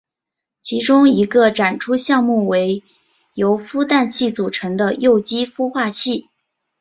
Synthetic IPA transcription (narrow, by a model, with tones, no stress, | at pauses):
t͡ɕʰi˧˥ʈ͡ʂʊ˥ŋi˧˥ɡə˧ʈ͡ʂa˨˩nʈ͡ʂʰu˥ɕjɑ˥˧ŋmu˥˩we˧˥ɪ | jo˧˥ʊfu˥t̪a˥˧nt͡ɕʰi˥˩t͡su˨˩ʈ͡ʂʰɤ˧˥ŋd̪ə˧jo˥˩ʊt͡ɕi˥fu˥xwa˥˧t͡ɕʰi˥˩